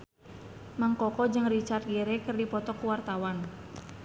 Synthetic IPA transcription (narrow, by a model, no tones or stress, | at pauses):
maŋkɔkɔd͡ʒɨŋrit͡ʃart̪̚ɡeɾekɨrdipɔt̪ɔkuwart̪awan